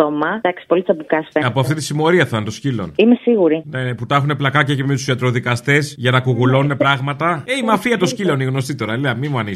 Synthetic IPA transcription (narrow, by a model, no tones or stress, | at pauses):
omɐd̪ɐksi̥polit̪sɐpukɐseɐpoɐfft̪it̪i̥simo̞ɾiɐθɐnt̪o̞scilo̞̰nimesiɣuɾineneput̪ɐxune̞plɐkɐcɐcemet̪u̥siɐt̪ɾo̞ðikɐst̪e̞sʝɐnɐkuɣulo̞nune̞pɾɐɣmɐt̪ɐeimɐfiɐt̪o̞scilo̞niɣno̞st̪it̪o̞ɾɐleɐmimuɐni